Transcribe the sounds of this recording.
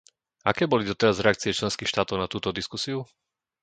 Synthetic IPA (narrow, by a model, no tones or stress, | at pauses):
akɛːbɔlid̪ɔt̪ɛɾazɾɛak̚t͡siɛt͡ʃlɛnskiːxʃt̪aːt̪ɔʊnat̪uːt̪ɔd̪iskusiu